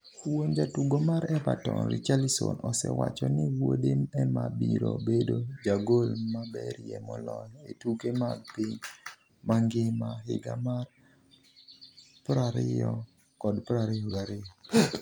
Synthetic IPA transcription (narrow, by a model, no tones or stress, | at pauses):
woɲd͡ʒatuɡomaɾɛpatɔnɾit͡ʃalisonɔsɛwat͡ʃɔnɪwodemɛmabiɾobedod͡ʒaɡolmabɛɾjɛmɔlɔletukemaɡpiɲ | maŋɡɪmaɦɪɡamar | pɾaɾɪjɔ | kɔdpɾaɾɪɔɡaɾɪjɔ